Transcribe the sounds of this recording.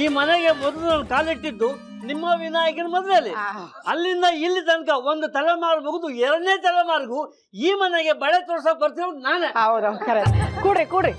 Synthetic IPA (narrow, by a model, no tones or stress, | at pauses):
iːmɐneɡemɔd̪ɐlunɐnkaːliʈːid̪ːu | nimːɐʋinaːjɐkɐnmɐd̪ʋeɐlːi | ɐlːind̪ɐilːit̪̬ɐnkɐond̪ut̪ɐlɛmaːɾumuɡud̪uɛɾɐɽneːt̪ɐlɛmaːɾɡu | iːmɐneɡe̞bɐɭet̪ɔːɾsɐk̚bɐɾt̪̬iɾoːd̪unaːneɐwd̪kɐɾkuːɽɾikuːɽɾi